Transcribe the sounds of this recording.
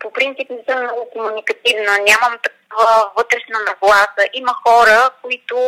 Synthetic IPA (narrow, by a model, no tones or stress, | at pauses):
popɾint̪sipnɛsɤmnɔɡʊkomunikɐt̪ivnənʲaməmt̪ɐk̚ɔvəvɤt̪ɾɛʃnɐnɐɡlˠasəʔimɐxɔɾəkoit̪ʊ